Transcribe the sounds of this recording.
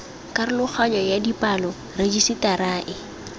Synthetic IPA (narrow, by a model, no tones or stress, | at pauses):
kʼaɾɪlʊk͡xʰaɲɔjadipʼalɔ | red͡ʒisɪtaɾaːʔɪ